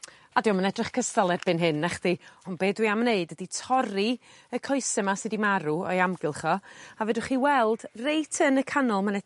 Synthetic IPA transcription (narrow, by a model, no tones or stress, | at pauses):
adɪɔmənɛdrɪχkʰəstalˠɛdbɨnɦɪnːɛχd̥iɔnbeːdwiamneɨdəditʰɔɾi | əkʰɔɨsɛmasɨdimaɾuɔ̰jamɡɪlˠχɔavɛdʊχiwɛlˠdrejtʰənəkʰanɔlˠmanɛ